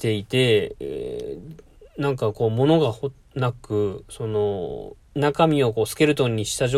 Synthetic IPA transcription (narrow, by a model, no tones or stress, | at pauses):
t̪e̞it̪e̞ḛ | nãŋkako̞ːmo̞no̞ɡaho | nakɯ̟so̞no̞ | nakamʲio̞k̬o̞ːsɨ̥ke̞ɾɯ̟t̪o̞ɲ̟ːiɕi̥t̪aʑo